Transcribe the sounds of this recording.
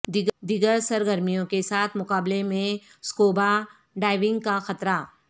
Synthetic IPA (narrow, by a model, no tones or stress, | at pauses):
d̪id̪iɡəɾsɐɾɡəɾmijõkesaːt̪ʰmʊkaːblemẽ | skoːba | ɖaːɪʋɪ̃ŋɡkaxɐt̪ɾaː